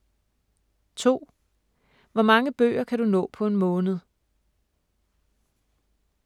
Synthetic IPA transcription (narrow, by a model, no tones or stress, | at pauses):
t͡sʰo̝̰ː | ʋɒmɑ̈ŋəb̥ø̰ːɐkʰædunɔ̰̽ːpʰɒ̽e̝nmɔ̽ːnəð̞̩ˠ